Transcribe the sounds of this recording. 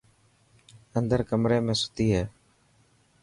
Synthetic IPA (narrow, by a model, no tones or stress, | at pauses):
ənd̪əɾkəmɾeːmẽːsʊ̥t̪iːɦɛː